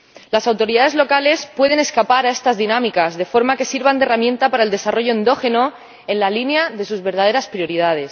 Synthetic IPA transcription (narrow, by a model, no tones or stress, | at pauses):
lasawt̪o̞ɾiðaðe̞zlo̞kale̞spwe̞ð̞e̞ne̞skapaɾae̞st̪azðinamikazðe̞fo̞ɾmake̞siɾβand̪eramjẽ̞nt̪apaɾaeld̪e̞saro̞ʝo̞ẽnd̪o̞xe̞no̞ | e̞nlalinaðesuzβe̞ɾðað̞e̞ɾaspɾjo̞ɾið̞að̞e̞s